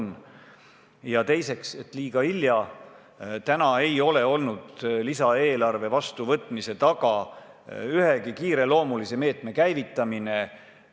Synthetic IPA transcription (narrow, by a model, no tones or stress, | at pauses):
n | jɑt̪e̞jse̞kse̞t̪liːɡ̥ɑiljɑ | t̪ænɑe̞jo̞le̞o̞lnud̪̥lisɑeːlɑrve̞vɑst̪uvɤt̪ːˑmise̞t̪ɑɡɑ | yhe̞ɡikiːɾe̞lo̞ːmulise̞me̞ːt̪ˑme̞kæjvit̪ːˑɑmine̞